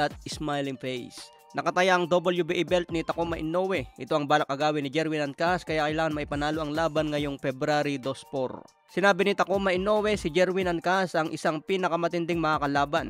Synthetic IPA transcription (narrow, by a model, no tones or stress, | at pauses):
ɐt̪̚ɪsmajlɪŋfɛjs | nʔɐkɐt̪ɐjaʔɐŋd̪obɐljubiʔɪbɛlt̪̚nɪt̪ɐkomɐʔɪnowɛʔɪt̪oʔɐŋbaːlɐkːɐɡaːwɪnɪd͡ʒɛɾwinɐn̚kaskɐjaʔkɐjlaːŋɐnmɐʔipɐnaːloʔɐŋlaːbɐnŋɐjo̞ŋfɛbɾaɾid̪o̞spo̰ɾ | sɪnaːbɪnɪt̪ɐkomɐʔɪno̞wɛsɪd͡ʒɛɾwinɐn̚kasɐŋʔɪsaŋpiːnɐkɐmɐt̪ɪnd̪ɪŋmɐŋakɐlaːbɐn